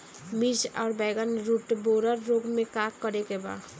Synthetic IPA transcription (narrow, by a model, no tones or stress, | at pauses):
mid͡ʒɔːɾbɛɡənɾuʈboɾəɾːoɡmẽkakːəɾekeba̰